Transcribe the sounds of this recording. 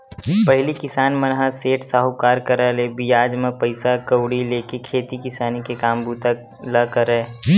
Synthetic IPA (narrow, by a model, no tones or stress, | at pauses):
pəɦɪlikɪsaːnmənɦaseːʈsaːɦukaːɾkəɾalebijaːd͡ʒmẽpəɪsakəwɽileːkekʰeːt̪ikɪsaːnikekaːmbuːt̪a | ləkəɾeː